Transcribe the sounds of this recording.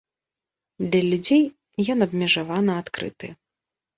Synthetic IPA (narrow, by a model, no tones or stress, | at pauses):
d̪lʲɐlʲud͡zʲej | jɔnɐbmʲɛʐavanɐat̪kɾɨ̰t̪ɨ̰